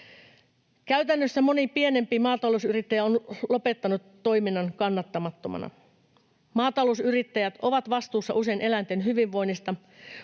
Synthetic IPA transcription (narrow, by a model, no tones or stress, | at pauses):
kæyt̪ænːøsːæmonipienempiːmɑːt̪ɑlousyrit̪ːæjæonlopet̪ːɑnut̪ːoiminːɑŋkɑnːɑt̪ːɑmɑt̪ːomɑ̰nɑ̰ | mɑːt̪ɑlousyrit̪ːæjæt̪oʋɑt̪ʋɑst̪uːsːɑʔuse̞inʔe̞lænt̪enɦyʋiʋʋo̞inːist̪ɑ